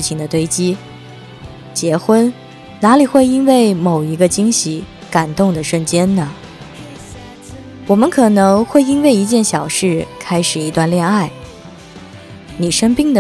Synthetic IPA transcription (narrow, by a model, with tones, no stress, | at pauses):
ɻ̩˥˩t͡ɕʰi˨˩ŋd̪ə˩t̪we˥˩ɪt͡ɕi˥ | t͡ɕjɛ˧˥xwə˥n | na˧˥li˨˩xwe˥˩ɪi˥nwe˥˩ɪmo˨˩ʊi˧˥ɡə˧t͡ɕi˥ŋɕi˧˥ | ka˨˩nt̪ʊ˥˩ŋd̪ə˩ʂə˥˩nt͡ɕjɛ˥nnə˨˩ | wɔ˨˩mə˦nkʰɤ˨˩nɤ˧˥ŋxwe˥˩ɪi˥nwe˥˩ɪi˧˥t͡ɕjɛ˥˩nɕjɑ˨˩ʊʂɻ̩˥˩kʰa˥ɪʂɻ̩˨˩i˧˥t̪wa˥˧nljɛ˥˧na˥˩ɪ | ni˨˩ʂə˥ŋpi˥˩ŋd̪ə˨